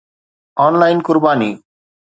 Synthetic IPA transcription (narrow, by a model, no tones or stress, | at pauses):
ɔnlajnkʊɾbaːni